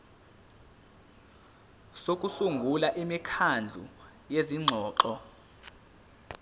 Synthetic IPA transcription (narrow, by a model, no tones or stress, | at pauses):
sok̬ʼusuŋɡʱulaʔimikʰand͡ɮʱṵ | jeziŋ͡ǁʱɔːǃɔ